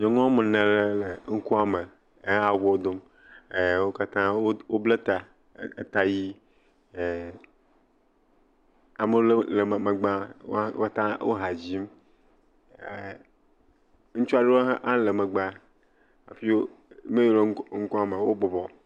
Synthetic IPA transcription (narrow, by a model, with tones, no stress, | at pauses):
ɲɔ̃˨ŋɔ˦mẽ˨nẽ˨le˦le˨ŋ̩˦ku˦a˦me˨˦ | a˨wo˦d̪o˦m | e˨wo˦ka˦t̪ã˦wo˦wo˦ble˦t̪a˨˦˨ | t̪a˨ji˦˨ | a˨me˦le˦le˨m˨me˨ɡ͡ba̰˦ka˦t̪ã˦wo̰˦ɦa˨d͡ʑi˦m˨ | ŋũ˦t͡ʃu˦a˦ɖe˦wo˦ɦʔa˦le˨mẽ˨ɡ͡ba˦ | a̰˨fi˦wo˦me˦jo˨le˦ŋ̩˦ku˦a˨me˨wo˦bɔ˨bɔ˨